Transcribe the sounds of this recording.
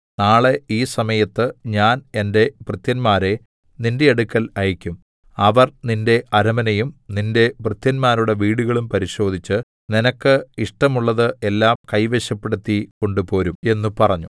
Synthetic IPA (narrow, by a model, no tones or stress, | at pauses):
naːɭe̞iːsɐmɐjɐt̪ːɨɲaːne̞nde̞prɨt̪jɐnmaːɾe̞ | ninde̞ːɽukʲːɐlɐjikʲːum | ɐʋɐrninde̞ʔɐɾɐmɐnɐjumninde̞prɨt̪jɐnmaːɾuɽe̞ʋiːɽuɣɐɭumpɐɾiɕo̞ːd̪ʱit͡ɕːɨ | ninɐkːɨiʂʈɐmuɭːɐðɨe̞lːaːmkɐjʋe̞ɕjɐpːe̞ɽut̪ːiko̞ɳɖupo̞ːɾume̞nːupɐrɐɲːu